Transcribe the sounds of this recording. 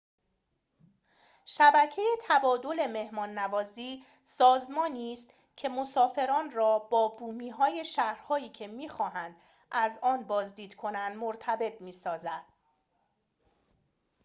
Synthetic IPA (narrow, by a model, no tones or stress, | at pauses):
ʃæbæcʰe̞jet̪ʰæbɒːd̪o̞le̞me̞hmɒːnːævɒːziː | sɒːzmɒːniːst̪ | cʰe̞mosɒːfe̞ɾɒːnrɒːb̥ɒːbuːmiːɦɒːje̞ʃæhɾhɒːiːcʰe̞miːxɒːɦænd̪̥ | ʔæzɒːnbɒːzd̪iːd̪̥kʰo̞nænd̪moɾt̪ʰæbe̞t̪̚ʰmiːsɒːzænd̪̥